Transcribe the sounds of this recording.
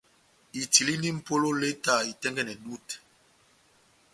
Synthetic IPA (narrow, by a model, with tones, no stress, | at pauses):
i˨ti˨li˦ni˦m̩˨po˦lo˦le˦ta˦˨i˨tɛ˦ŋɡɛ˦nɛ˨ɗu˦˨t